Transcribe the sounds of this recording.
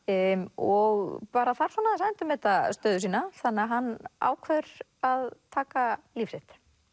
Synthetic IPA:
ɔɣpaːɾaθaɾ̥sɔːnaðasaðɪnt̪ʏmːɛːt̪ast̪œːðʏsiːnaθanːaɦanːa̰ːwkʰvœʏɾ | aðt̪ʰaːkaliːfrɪht̪

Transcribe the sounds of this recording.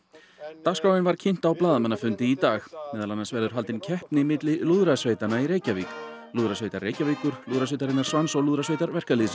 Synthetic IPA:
t̪askaːwɪnvaɾ̥cʰɪn̥t̪awplaːðamanːafʏnt̪ɪit̪aːxmɛːðalanːansvɛɾðʏɾɦal̪t̪ɪncʰɛhpnɪmɪt̪lɪluðɾasveːjt̪anaiɾeːjcaviːk | luːðɾasveːjt̪aɾreːjcaviːkʏɾ̥luðɾasvejt̪aɾɪnːaɾ̥svansɔwluːðɾasveːjt̪aɾvɛr̥kaliːsɪ

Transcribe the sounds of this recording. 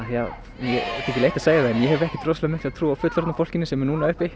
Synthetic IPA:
ja | njɛɛ̥t̪ɪɛcɪleːjht̪aðseːjaðɛɛnjɛhɛvɾɛhcɪt̪ʰɾowslɛmɪht̪aðt̪ʰɾuːawfʏt̪lɔɾt̪afowl̥cɪnɪsɛmɛɾnuːnaʏhpɪ

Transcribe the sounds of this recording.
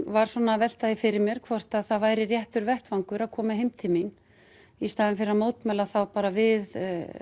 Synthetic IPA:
vaɾ̥sɔːnavɛl̥t̪aðɪfɪɾɪɾmjɛɾ̥kʰvɔr̥t̪aðθaðvaːjɾɪrjɛht̪ʏɾvɛht̪vaŋkʏɾaðkʰɔːmaɦejmt̪ʰɪlmin | ist̪aːðɪnfɪɾɪɾamoːwt̪mɛlaθawpaːɾavɪð

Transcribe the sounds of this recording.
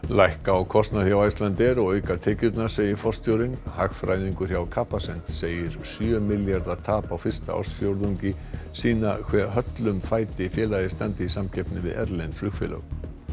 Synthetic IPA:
lajhkaawkʰɔst̪naθjawajst̪lant̪ɛɾɔɣœːɥkat̪ʰɛːcʏt̪naseːjɪɾfɔlst̪jowɾɪnhaxfɾajðiŋkʏɾ̥çjawkʰaːpasɛn̥t̪seːjɪɾ̥sjœːmɪljaɾðḁt̪ʰaːpawfɪr̥st̪a̰ʔɔ̰st̪fjowɾðuɲcɪ | siːnakʰvɛɦœt̪lʏmfaːjt̪ɪfjɛːlajðɪst̪ant̪ɪisamcʰɛjpnɪvɪ̰ðɛ̰ɾlɛjnflʏkfɛ̰lœ̰ɣ

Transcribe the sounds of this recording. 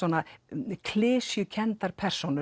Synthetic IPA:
ɔːnakʰlɪːsjʏcʰɛnt̪aɾ̥pʰɛr̥sownʏ

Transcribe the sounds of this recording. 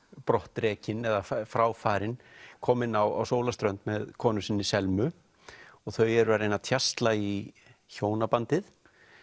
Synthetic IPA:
pɾɔht̪ɾɛːcɪnɛðaffɾaːwfaːɾɪnkʰɔːmɪnawa̰wsoːwlast̪ɾœnt̪mɛðkʰɔːnʏsɪnːɪsɛlmʏ | ɔɣθœɥjɛɾʏɾaɾejnat̪ʰjast̪lai | çoːwnapant̪ɪθ

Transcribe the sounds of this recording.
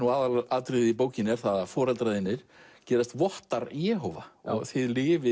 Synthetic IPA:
nuaːðaaːðt̪ɾɪðipoːwcɪnɛɾ̥θaðafɔːɾɛlt̪ɾaðɪnːɪɾ̥cɛːɾast̪vɔht̪aɾijɛːɦɔvaɔ̰ɣθɪðlɪːvɪ

